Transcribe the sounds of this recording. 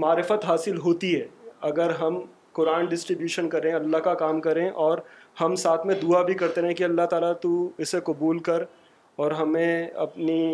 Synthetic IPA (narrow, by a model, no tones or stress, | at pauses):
maːɾɪfət̪ɦaːsɪlɦoːt̪iɦɛːɐɡəɾɦɐm | kʊɾaːnɖɪsʈɾɪbjuːʃənkɐɾẽɐlːaɦkakaːmkɐɾẽʔɔːɾhɐmsaːt̪ʰmẽd̪uabʱikɐɾt̪eɾɛɦɛ̃kiɐlːaɦt̪aːlat̪uɪsekʊbuːlkɐɾ | ɔːɾɦɐmẽɐ̰pni